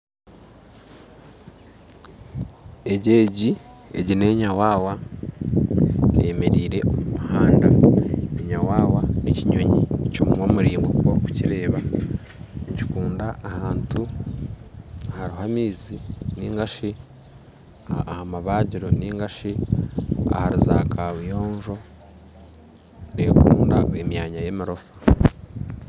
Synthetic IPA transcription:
e̞ɟe̞ːɟi | e̞̰ɟine̞ːɲawaːwa | emeɾiːɾe̞̰ʔomumuhaːndaeɲawaːwaneciɲo̞ɲḭcomumwomuɾiːŋɡokuwaku̥ciɾe̞ːβa | ɲci̥kuːndaʔːhaːntu | haɾiɦamiːziniːŋɡaʃi | hamaβaːɟiɾo̞niːŋɡaʃi | a̰haɾizaːkawijoːɲʒo̞ | nekuːndaemjaɲajemiɾo̞fḁ

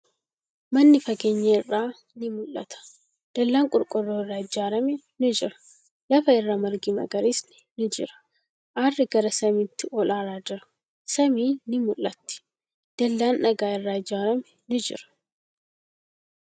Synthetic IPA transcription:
mɐnːɪfɐɡeːɲːɐɪrːaː | nɪmʊlːɐ̰t̪ʰɐ̥ | d̪̥ɐlːaːŋkʼʊɾkʼʊrːoːɪrːaːɪd͡ʒaːɾɐmɛ | nɪd͡ʒɪɾɐ̥ | lɐfɐɪrːaːmɐɾɡɪmɐ̰ɡɐɾisnɪnɪd͡ʒɪ̰ɾɐ̥ | ʔaːrːɪɡɐɾɐsɐmɪt̪ːɪʔɔlaːɾaːd͡ʒɪɾɐ̥ | sɐmiːnɪmʊlːɐt̪ːɪ̥ | d̪̥ɐlːaːnʔɐɡaːɪrːaːɪd͡ʒaːɾɐmɛnɪd͡ʒɪ̰ɾɐ̥

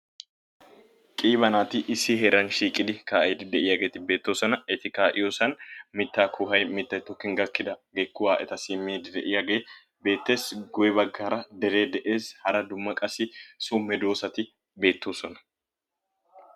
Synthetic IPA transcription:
kʼiːβɐnaːt̪ɪʔɪsːɪɦɛɾɐnʃiːkʼɪd̪ɪkaːʔɛd̪ɪd̪ɛʔɪjaɡe̞ːt̪ɪbe̞ːt̪ːo̞ːsɔnɐɛt̪ɪkaːʔɪjoːsɐnmɪt̪ːaːkʰʊɦɐjmɪt̪ːɐjt̪ɔkːɪŋɡɐkːɪd̪ɐɡekːʊwaːʔɛt̪ɐsɪmːiːd̪ɪd̪ɛʔɪjaɡe̞ː | be̞ːt̪ːe̞ːsɡɔjɛbɐɡːaːɾɐd̪ɛɾe̞ːd̪ɛʔeːshɐɾɐd̪ʊmːɐkʼɐsɪsʊmɛd̪o̞ːsɐt̪ɪ | be̞ːt̪ːoːsɔnɐ̥

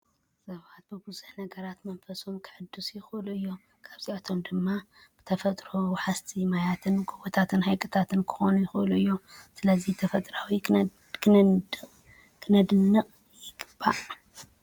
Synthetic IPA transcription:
sɐβat̪̚bɨbɨzuħnɐɡɐɾat̪mɐnfɐsomkʰɨʕɨd̪ːusjɪxluɨjːo̞m | kʰaβziʔat̪ʰo̞md̪ɨmːa | b̥ɨt̪ʰɐfɐt̪ʼɾoħast̪ʰimajat̪ʰɨnɡʼubot̪ʰat̪ʰɨnhajkʼɨt̪ʰat̪ɨnkʰɨ̥xo̞nujɪxʔɨluɨjːosɨlɐzit̪ʰɐfɐt̪ʼɾawi | k | kʰɨnɐd̪ɨnːɨχʼ | jɪɡ̥ɨb̥ːa

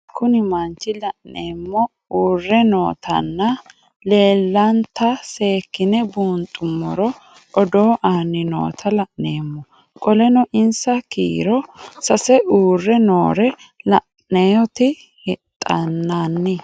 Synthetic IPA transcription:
kʊnɪmɐnt͡ʃːɪlɐʔneːmːɔ | uːrːɛno̰ːt̪ʰɐ̰nːɐ | le̞ːlːɐnt̪ːɐse̞ːkːɪnɛbuːnt̪ʼːʊmːɔɾɔ | ɔd̪o̞ːʔaːnɪno̰ːt̪ʰɐlɐʔneːmːɔ | kʼɔlɛnɔʔɪnsɐkḭːɾɔsɐsɛʔuːrːɛnoːɾɛlɐʔ | nejɔt̪ɪ | hɛt̪ʼːɐnːanːɪ

